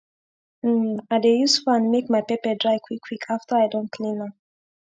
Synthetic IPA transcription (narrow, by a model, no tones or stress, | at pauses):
aɪdejustfɔãnmekmajpɛpədɹajkʰw̥ikʰːwikʰaftʰəajdõntkʰlĩnə